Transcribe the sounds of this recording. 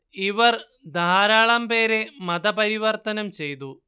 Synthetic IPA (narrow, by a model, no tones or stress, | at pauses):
iʋɐr | d̪ʱaːɾaːɭɐmpe̞ːɾemɐd̪ɐpɐɾiʋɐrt̪ɐnɐmt͡ɕe̞jt̪u